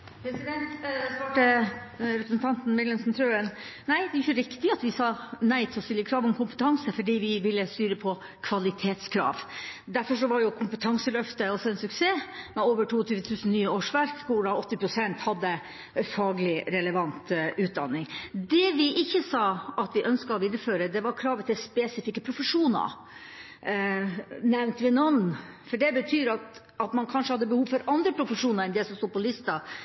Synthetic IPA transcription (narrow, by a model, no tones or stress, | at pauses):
pʰɾɛsɪd̪ɛnt̪spɑːʈəɾɛpɾəsn̩t̪ʰɑnt̪n̩mɪlənsnt̪ʰɾøːənnæɪd̪ɛʊɾçʊɾɪkt̪ɪɑt̪ʋɪsɑːnæɪt̪ʰɔst̪ɪlːəkʰɾɑːʋɔmkʊmpə̥t̪ʰɑŋsəfɔɖiːʋɪʋɪlːəst̪yːɾəpʰɔ | kʰʋɑlɪt̪ʰeːt̪skʰɾɑ̰ːʋd̪æɾfɔʂ̬ɔʋɑɾjʊkʰʊmpət̪ʰɑŋsəlœft̪əɔsɔɛnsʉkseːmɛoːʋəʈʰuːɔt̪ʰyːʋət̪ʰʉːsn̩nyːəoːʂʋæɾkʰːʊɖɑɔt̪ːɪpʰɾʊsɛnt̪hɑd̪ːə | fɑːɡəlɪɾɛləʋɑnt̪ʉːt̪̚d̪ɑ̰nːɪŋd̪ɛʋɪʔɪçːəsɑːɑt̪ʋɪʔœnskɑɔʋɪd̪ɾəføːɾəd̪ɛʋɑɾkʰɾɑːʋət̪ʰɪlspɛsɪfɪkːəpʰɾʊfəʂuːnɑ̰ | nɛʋnt̪ʋɪnɔnn | fɔɖɛbət̪ʰyːɾɑt̪ | ɑt̪mɑnkʰɑnʂəhɑd̪ːəbəhuːʋfɔɾɑnd̪ɾəpʰɾʊfəʂuːnəɾɛnd̪ɛsɔmst̪uːd̪pʰɔlɪst̪ɑ